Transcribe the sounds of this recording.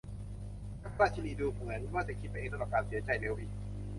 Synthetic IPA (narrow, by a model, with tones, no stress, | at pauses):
ka˧˥˩k̚taː˥˩t͡ɕ̪ʰi˧˨niː˧˩duː˧˩pʰːa˨˦n˧˩maː˥˩t͡ɕa˧˩kʰi˦t̪̚pa˧˨ʔːŋsa˧la˧˩p̚kaː˧nsi˨˦ɐt͡ɕa˧˩jleː˧wʔi˧˩